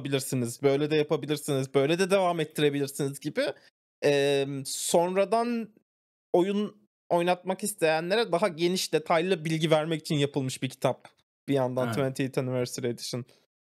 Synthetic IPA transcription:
bilʲiɾsinizbø̞jlʲɛd̪ɛjapʰabilʲiɾsinizbø̞jlʲɛd̪ɛd̪e̞vaːmɛt̪ʰːiɾe̞bilʲiɾsinizɟibɪ | ɛːmso̞nɾad̪an | o̞jun | o̞jnat̪̚makist̪ʰe̞jænlʲe̞ɾɛd̪aɦaɟe̞niʃd̪e̞t̪ʰajlˠɯbilʲɟivæɾmɛci̥t͡ʃʰinjapʰɯlˠmɯʃbicʰit̪ʰap̚ | b̥ijand̪ant̪ʰvɛnt̪ʰiit̪ʰanyvɛɾsiɾet̪ʰi̥ʃin

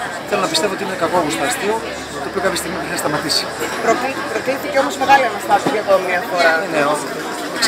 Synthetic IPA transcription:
θe̞lo̞nɐpist̪e̞voot̪inenekɐkoɣust̪ɐst̪iu | t̪oːpio̞kɐpçest̪iɣmipexɐst̪ɐmɐt̪isi̥pɾot̪ipɾot̪iθiceomozmeɣɐliɐnɐst̪ɐsikɐðomiɐfoɾɐeneo

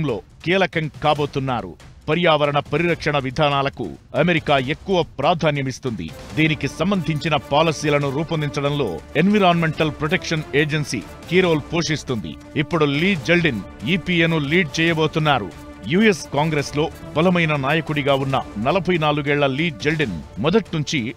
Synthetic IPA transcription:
mlo̞ːkiːlɐkɐŋkaːbo̞ːt̪unːaːɾṵpɐɾjaːʋɐɾɐɳɐpɐɾiɾɐkʂɐɳɐʋid̪ʱaːnaːlɐkṵɐmeɾikaːe̞kːuʋɐpɾaːd̪ʱaːnjɐmist̪und̪ḭd̪iːnikisɐmbɐnd̪ʱiɲt͡ʃinɐpaːlɐsiːlɐnuɾuːpɐnd̪iɲt͡ʃɐɽɐnlo̞̰ːenʋiɾaːnme̞ɳʈɐlpɾoʈekʂɐneːd͡ʒensḭ | kiːɾo̞ːlpoːʂist̪und̪ḭ | ipːuɽuliːd͡ʒelɖiniːpienuliːɖ̚t͡ʃɛːjɐboːt̪unːaːɾṵ | juːeskaːŋɡɾeslo̞ːbɐlɐmɐjnɐnaːjɐkuɽiɡaːunːɐnɐlɐbʱɐjnaːluɡɛːɭːɐliːd͡ʒelɖinmɔd̪ɐʈnuɲt͡ʃi

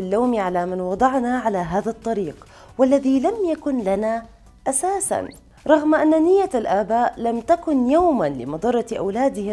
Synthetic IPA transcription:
ɪlːaːmiʕalamɪnwɑd̪ˤɑʕnaʕalaɦaːðat̪ˤːɑɾiːq | walːaðilamjakʊnlana | ʔasaːsa̰n | ɾˤɑɣmʔanːanɪjːaalʔaːbaːʔlamt̪akʊnjawmanlɪmɑd̪ˤɑrˤːɑʔa̰wlaːd̪ɪ

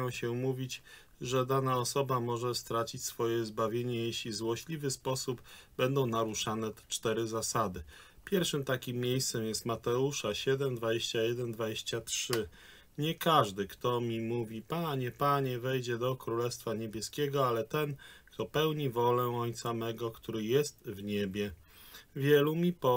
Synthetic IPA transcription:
w̃ɕɛmuvʲit͡ɕ | ʐɛd̪anaɔsɔbamɔʐɛst̪ɾat͡ɕit͡ɕsfɔjɛzbavʲjeɲɛjeɕlʲizwɔɕlʲivɘspɔsubbɛnd̪ɔ̃w̃naɾuʂanɛt͡ʂt̪ɛɾɘzasad̪ɘ | pʲjɛɾfʂɘmt̪akʲimːʲjejst̪sɛmjɛst̪mat̪ɛuʂaɕɛd̪ɛmd̪vad͡ʑeɕt͡ɕajɛd̪ɛnd̪vad͡ʑeɕt͡ɕatʂɘ | ɲɛkaʐd̪ɘkt̪ɔmʲimuvʲipaɲɛpaɲɛvɛjd͡ʑɛd̪ɔkɾulɛst̪faɲebʲjɛskʲɛɡɔalɛt̪ɛnkt̪ɔpɛwɲivɔlɛɔɲt̪samɛɡɔkt̪uɾɘjɛst̪vɲebʲjɛ | vʲjɛlumʲipɔ

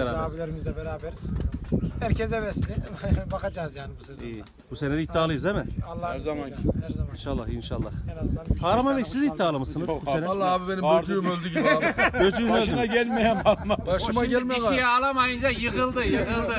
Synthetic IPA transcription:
ɾaːaːbilʲeɾimizlʲɛbɛɾaːbɛɾiz̥hæɾcʰɛzɛvɛslʲibakad͡ʒaːzjaːnibuiː | buseneɾit̪ʰːiaːlˠɯjɯzd̪emɛalˠːaæɾzamainʃalˠːaxinʃalˠːahzpʰaːɾamanbecsizit̪ʰːiaːlˠamɯsɯnɯzbussenɛlˠːaabibenimøɾd͡ʒyjymølʲd̪iɡiød͡ʒyjymølinɛɟælʲmejænamabaʃumaɟɛlʲejioijɛːlˠamajɯnd͡ʒajɯɣɯlˠd̪ɯjɯɣɯlˠd̪ɯ

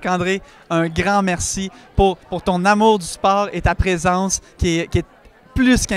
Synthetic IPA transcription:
kɑ̃ːd̪ʁe | œ̃ɡʁɑ̃mɛʁsipuʁpuʁt̪ɔ̃namuːʁd̪yspɔːʁet̪apʁezɑ̃skʲɛkʲiɛ | plyskʲɛ̃

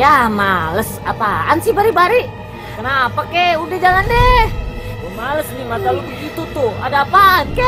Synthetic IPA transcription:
jamaləsapaansibaɾibaɾi | kənapakɛudɛd͡ʒalandɛ | əmaləsnimat̪alukəkit̪ut̪ʊa̰dapankɛ

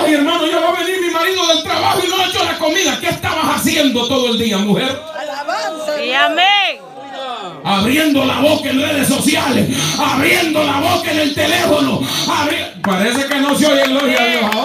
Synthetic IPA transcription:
ieɾmãnoʝoβaβe̞niɾmimaɾiðoðe̞lt̪ɾaβahoinoet͡ʃolako̞miðakeːst̪aβasasje̞nd̪o̞t̪o̞ðoe̞ld̪iamuheɾ | ae | aβɾjend̪o̞laβokaenreð̞esːo̞sjalesaβɾjend̪olaβo̞kaene̞lt̪ele̞fonoaβɾe | paɾe̞sekenosjojenlohjaoa

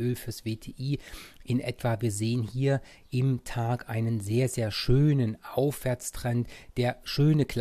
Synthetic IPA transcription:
øːlfyːɐsv̥eːtʰeːʔiːʔɪnʔɛ̰tv̥aviːɐzeːənhiːɐ | ʔɪmtʰaːkʔaɪnənzeːɐzeːɐʃøːnənʔaʊfv̥ɛɐt͡stʁ̥ɛntd̥eːɐʃøːnəkʰl̥

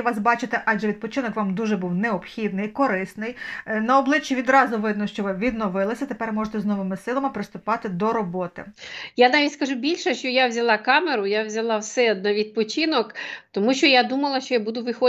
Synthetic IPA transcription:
ʋɑsbɑt͡ʃɪt̪ɛʔɑʒɛʋʲid̪̚pɔt͡ʃɪnɔkʋɑmd̪uʒɛbuwneɔpxʲid̪̚nɪjkɔɾɪsnɪjnɐɔblˠɪt͡ʃːiʋʲid̪ɾɑzʊʋɪd̪nɔʃt͡ʃɔʋɪʋʲid̪nɔʋɪlˠɪsʲɐt̪epɛrmɔʒet̪ɛznɔʋɪmɪsɪlˠɐmɪpɾɪst̪ʊpɑt̪ɪd̪ɔɾɔbɔt̪ɪ̰janɑʋʲitʲskɐʒubʲilʲʃɛʃt͡ʃɔjawzʲɐlˠɑkɑmeɾʊjawzʲɐlˠɑwsɛɔd̪̚nɑʋʲid̪̚pɔt͡ʃinɔkt̪ɔmuʃt͡ʃɔjad̪umɐlˠɐʃt͡ʃɔjabud̪ʊʋɪxɔ

